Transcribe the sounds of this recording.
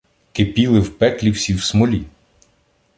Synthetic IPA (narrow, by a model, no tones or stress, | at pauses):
kepʲilˠɪwpɛklʲiwsʲiwsmɔlʲi